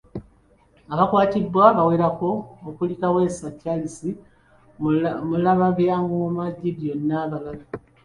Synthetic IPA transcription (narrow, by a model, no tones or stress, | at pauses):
aβakwaːtidwaβaweːɾako̞ːkulikawe̞ːsacːalisi | mulaβaβjamuomaɟːiβjo̞nːaβalala